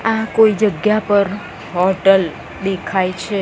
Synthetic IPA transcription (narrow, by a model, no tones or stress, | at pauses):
ãkoid͡ʒəɡjapəɾ | ɦɔʈəl | d̪ekʰajt͡ʃʰe